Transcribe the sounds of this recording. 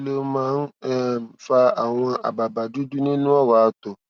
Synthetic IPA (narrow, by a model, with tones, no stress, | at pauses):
lo˦mãː˦n̩˦ | fa˧a˨w̃ɔ̃˧a̰˨ba˨ba˨du˨˦du˦nĩ˦nũ˦ɔ˦˨wa˨˧t̪o˨